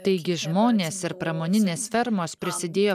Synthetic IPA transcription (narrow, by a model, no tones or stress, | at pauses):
t̪ɐɪɡʲɪʒmoːnʲeːssɪɾpɾɐmoːnʲɪnʲeːsfʲɛɾmoːspʲɾʲɪsʲɪd̪ʲeːjoː